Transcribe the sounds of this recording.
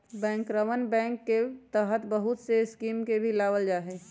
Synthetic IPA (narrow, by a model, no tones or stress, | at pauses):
bɛ̃ːŋkɾəʋənbɛ̃ːŋkːet̪əɦət̪bəɦʊt̪seskiːmkebʱilaːʋəld͡ʒaːɦɛ